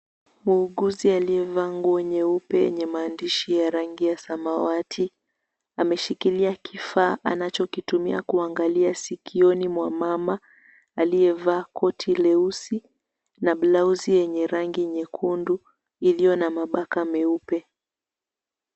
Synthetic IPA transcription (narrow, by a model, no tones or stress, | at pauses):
muːɠuzialiɛvaŋɡuwɛɲɛupɛjɛ̰ɲɛmaːndiʃijaɾaŋɡijasamawatʰi | amɛʃikiliakʰifaːʔa̰nat͡ʃɔkitumiakuaŋɡaliasikʰiɔnimwamama | alijɛvaːkɔtʰilɛusi | naɓlauzijɛɲɛɾaŋɡiɛɲɛkʰundu | ilijɔnamaɓakamɛupɛ